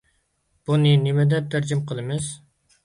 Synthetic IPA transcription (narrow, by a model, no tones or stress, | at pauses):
b̥unɨnɪmɛd̪ɛp̚t̪ʰæɾd͡ʒimqʰəlˠɨmɪz̥